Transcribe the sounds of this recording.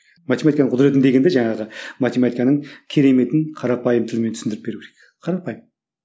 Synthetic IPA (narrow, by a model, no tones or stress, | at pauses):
mat̪ʲemat̪ikanəɴqʰʊd̪ɾe̞t̪nd̪e̞ɡʲend̪eʒɑɴɑʁəmat̪emat̪ijkanəɴkʲʰe̞ɾe̞me̞t̪ɪɴqʰɑɾɑpɑjəmt̪ʰɪlɪmenʰʏsɪnd̪ɪɾɪp̚be̞ɾukʰʲeɾek̚ | qʰɑɾɑpɑjəm